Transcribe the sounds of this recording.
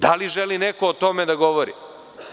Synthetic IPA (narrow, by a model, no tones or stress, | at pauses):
d̪aliʒelinekoːt̪omed̪aɡoʋoɾḭ